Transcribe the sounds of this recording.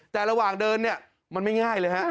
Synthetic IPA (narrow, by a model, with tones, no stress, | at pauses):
t̪ɛː˨˩ɾa˧waː˨˩ŋdɤː˧nːi˥˩ɐ | ma˧nma˥˩jŋaː˥˩jlɤː˧jɦa˦˥ʔ